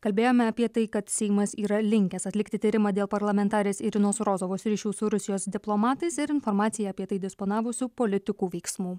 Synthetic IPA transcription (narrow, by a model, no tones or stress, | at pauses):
kɐlʲbʲeːjoːmʲɛɐpʲiɛt̪ɐɪkɐt̪sʲɛɪmɐsiːɾɐlʲɪŋʲkʲɛsɐt̪ʲlʲɪkt̪ʲɪt̪ʲiːɾʲɪmɑːd̪ʲeːlˠpɐɾlˠɐmʲɛnt̪ɑːɾʲeːsɪɾʲɪnoːsɾoːzoːʋoːsɾʲiːʃʲuːsʊɾʊsʲɪjoːsd̪ʲɪplˠomɑːt̪ɐɪsɪɾɪnfoɾmɑːt̪sʲɪjɛːpʲiɛt̪ɐɪd̪ʲɪspoːnɑːʋʊsʲuːpoːlʲɪt̪ʲɪkuːʋʲɛɪksmuː